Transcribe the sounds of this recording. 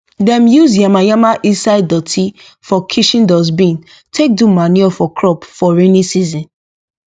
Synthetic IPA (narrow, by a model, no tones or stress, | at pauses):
dɛ̃mjuzjamajamaʔĩsaɪddɔtʰi | fɔkʰiʃĩndɔz̬bĩn | tʰek̚dumaniɔfɔkʰɹɔpfɔɹenĩsizĩn